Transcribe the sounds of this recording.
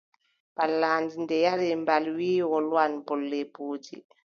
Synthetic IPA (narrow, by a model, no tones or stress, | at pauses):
balːand͡ʒindɛjaɾimbalwiːwɔlwanpɔlːɛpuːd͡ʒḭ